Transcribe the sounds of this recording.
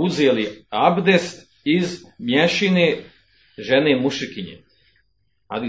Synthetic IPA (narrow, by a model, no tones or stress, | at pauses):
uzeliabd̪est̪ | izmjeʃine | ʒenemuʃikiɲḛ | a̰d̪i